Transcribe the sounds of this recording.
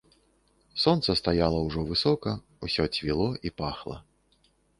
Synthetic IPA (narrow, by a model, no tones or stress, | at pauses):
sɔnt̪sɐst̪ajalˠɐwʐɔvɨsɔkɐ | usʲɔt͡sʲvʲilˠɔʔipaxlˠɐ̰